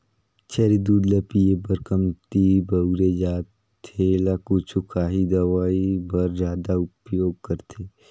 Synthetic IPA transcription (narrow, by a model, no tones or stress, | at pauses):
t͡ʃʰɛɾid̪uːd̪lepiebəɾkəmt̪ibɐɾed͡ʒaːt̪ʰ | elakut͡ʃʰukʰaːɦid̪ɐʋaːibɐɾzaːd̪aʊpjoːɡ̚kɐɾt̪ʰeː